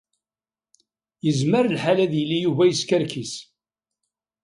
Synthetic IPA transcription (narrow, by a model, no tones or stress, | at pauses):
jəzməɾəlħalæðjəlːijuvæjəskəɾkis